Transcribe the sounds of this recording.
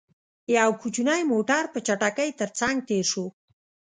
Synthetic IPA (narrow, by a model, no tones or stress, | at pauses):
jawkʰut͡ʃunajmoʈaɾpət͡ʃaʈakəjt̪əɾt͡saŋɡ̚t̪eɾʃo